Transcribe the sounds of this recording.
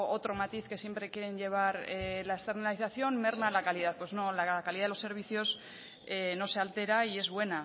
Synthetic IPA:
ot̪ɾo̞mat̪iθke̞sje̞mpɾe̞kje̞ɾe̞ɲʎe̞β̞aɾelaest̪e̞ɾnaliθaθjo̞nme̞ɾnalakaliðaθpwe̞zno̞lakaliðaðeose̞ɾβ̞iθjo̞s | eno̞se̞alt̪e̞ɾaie̞zβwe̞na

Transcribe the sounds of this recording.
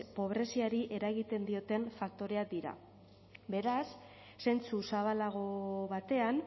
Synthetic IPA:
po̞β̞ɾe̞siaɾiʔe̞ɾaɣit̪e̞nd̪io̞t̪e̞ɱfak̚t̪o̞ɾe̞ak̚d̪iɾa̰ | be̞ɾasː | ent͡susaβ̞alaɣ̞o̞βat̪e̞an

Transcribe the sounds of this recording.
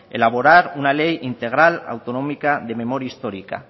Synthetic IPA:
ḛlaβ̞oɾaɾunalejint̪e̞ɣ̞ɾala̰wt̪onomikaðe̞memoɾjaist̪oɾika̰

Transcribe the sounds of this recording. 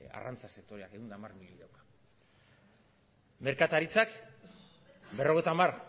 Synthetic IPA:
a̰rʔant͡sase̞kt̪o̞ɾeakeund̪amarmiʎiɾawkḁ | me̞ɾkat̪aɾit͡sak | be̞ro̞ɣe̞jt̪amar

